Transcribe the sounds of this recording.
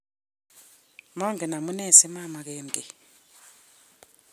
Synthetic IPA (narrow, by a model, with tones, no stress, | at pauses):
mɔ˦ŋɡʱɛ˨na˨mu˦nɛ˦˨sɛ˦ma˦ma˨k̬eː˦m̩˨tʼi˨